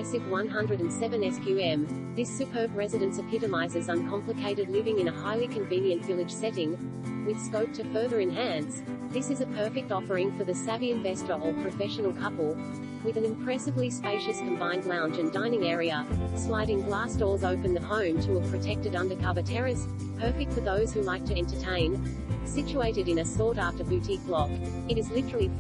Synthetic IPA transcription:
sɨvwʌ̃nɦʌ̃ndɹɨɾɨ̃n̩sɛvɨ̃nɛskʰjʉɛ̃m | ðɪsɨpʰɜ˞bɹɛzɨɾɨ̃nsʌv̥hʰɪɾɨmaɪzə˞zə̃nkʰɑ̃mplɨkʰeɪɾɨdˡlɪvɪ̃ŋɨ̃ñəhaɪlˠikʰɨ̃ɱvĩnjɨ̃nʔvɪlˠɨd̥ʒ̥sɛɾɪ̃ŋ | wɨð̥skoʊp̚tʰɨfɜ˞ðə˞ɨ̃nɦæ̃ns | ðɪsɨzɨpʰɜ˞fɨk̚tɑfə˞ɪ̃ŋfə˞ðɨsæviɨ̃ɱvɛstə˞əpʰɹ̥ɨfɛʃɨn̩l̩ˠkʰʌpl̩ˠ | wɨðɨ̃nɨ̃mpʰɹ̥ɛsɨvlispeɪʃɨskʰɨ̃m̩bãɪ̃ndˡlãʊ̃nd͡ʒɨ̃ndãɪ̃nɪ̃ŋɛɹiɨslaɪɾɪ̃ŋblæsd̥ɔlˠzoʊpɨ̃nðɨhõʊ̃mtʰəəpʰɹ̥ɨtʰɛk̚tɨɾʌ̃ndə˞kʰɑɹbɨtʰɛɹɨs | pʰɜ˞fɪk̚tfə˞ðoʊz̥hʉlaɪk̚tʰɨɛ̃ntə˞tʰẽɪ̃n | sɪt͡ʃueɪɾɨɾɨ̃nɨsɔɹɾæftə˞bʉtʰik̚lɔk | ɨɾɨzlɪɾə˞l̩ˠi

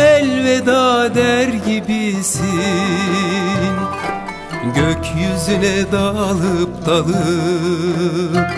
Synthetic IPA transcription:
ɛlʲvɛd̪aːd̪æɾɟibisi | ɟøcʰjyzylɛd̪alˠɯp̚d̪̥alˠɯ

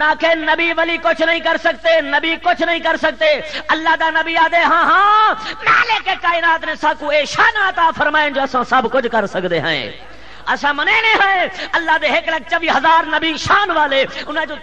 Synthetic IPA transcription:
nãːkʰenɐbiʋɐlikʊt͡ʃʰnɐĩːkɐɾsɐk̚t̪enɐbikʊt͡ʃʰnɐĩːkɐɾsɐk̚t̪eɐlːaːd̪aːnɐbiaːd̪eɦãːɦãmɛːlekekaːɪnaːt̪nẽsaːkũːeːʃaːnət̪aːfʰɐɾmaːɪnd͡ʒoːɐsãsɐbʱkʊd͡ʒkɐɾsɐkd̪eɦã̰ḛ̃ː | ɐsãmɐnenẽːɦãːẽɐlːaːd̪eɦeklɐɡ̚t͡ʃəʋiːɦɐzaːɾnɐbiʃaːnʋaːleʊnãd͡ʒoː

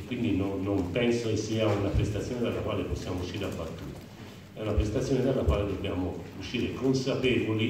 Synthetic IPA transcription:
kwind̪inonːompɛnsokesːiːaunapɾest̪at̪sjoːned̪alːakwaːleposːjaːmouʃːiːɾapːat̪ːuːɾa | ɛunapɾest̪at̪sjoːned̪alːakwaːled̪obːjaːmouʃːiːɾekonsapɛːvoli

